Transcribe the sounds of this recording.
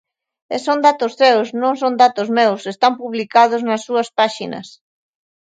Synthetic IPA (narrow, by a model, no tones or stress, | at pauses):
esond̪at̪ʊssewsnõŋs̬ond̪at̪ʊzmewsest̪ampuβlikaðʊznɐsːuɐspaʃinɐ̰s